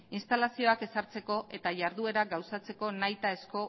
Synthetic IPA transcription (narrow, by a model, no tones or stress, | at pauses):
inst̪alasio̞ake̞saɾt͡se̞ko̞ʔe̞t̪aʝaɾðue̞ɾaɡawsat͡se̞ko̞najt̪ae̞sko̞